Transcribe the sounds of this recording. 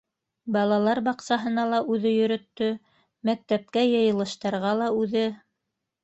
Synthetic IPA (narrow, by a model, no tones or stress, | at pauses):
bɑlˠɑlˠɑɾbɑqsɑɦɤ̆nɑlˠɑʔʉðɘjɵ̆ɾɵ̆t̪ːɵ | mæk̚t̪æp̚kæjɤ̆jɤ̆lˠɤ̆ʃt̪ɑɾʁɑlˠɑʉðɘ